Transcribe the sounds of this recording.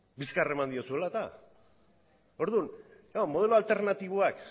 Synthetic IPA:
biskare̞mand̪io̞sue̞lat̪a | o̞ɾðun | amo̞ð̞e̞loalt̪e̞ɾnat̪iβ̞oak

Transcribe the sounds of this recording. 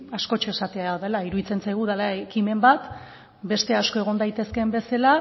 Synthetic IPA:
asko̞t͡ʃeesat̪eaaðelaiɾuðit͡se̞nsajɣ̞uðalaekime̞mbat̪ | be̞st̪e̞asko̞e̞ɣ̞o̞nd̪ajt̪e̞ske̞mbe̞sela

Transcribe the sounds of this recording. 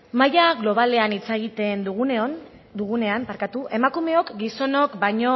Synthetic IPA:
majaɣlo̞β̞ale̞anit͡saɣ̞it̪e̞nd̪uɣuneon | d̪uɣune̞ampaɾkat̪uʔe̞makume̞o̞kɡiso̞no̞kbaɲo̞

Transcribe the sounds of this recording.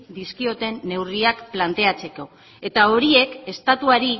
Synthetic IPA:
d̪iskio̞t̪e̞nːe̞wriakplant̪e̞at͡se̞ko̞ | e̞t̪ao̞ɾie̞ke̞st̪at̪uaɾi

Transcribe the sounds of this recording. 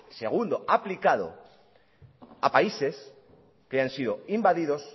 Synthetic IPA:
se̞ɣ̞und̪oʔaplikaðo̰ | apaise̞s | keansið̞o̞imbaðiðo̞s

